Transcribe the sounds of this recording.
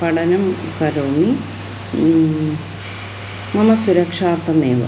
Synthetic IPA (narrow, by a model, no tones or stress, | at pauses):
pɐɽɐnɐmkɐɾoːmi | mɐmɐsuɾɐkʂaːrt̪ːɐmeːʋɐ̰